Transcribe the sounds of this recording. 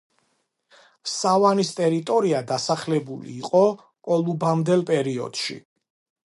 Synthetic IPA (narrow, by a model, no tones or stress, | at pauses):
savanist̪ʼɛɾit̪ʼɔɾiad̪asaχlɛbulḭːqʼɔ | kʼɔlˠubamd̪ɛlˠpʼɛɾiɔ̰d̪̥ʃḭ